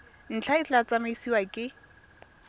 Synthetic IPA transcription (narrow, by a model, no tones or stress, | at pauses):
n̩t͡ɬʰaɪt͡ɬat͡samaisiwakʼɪ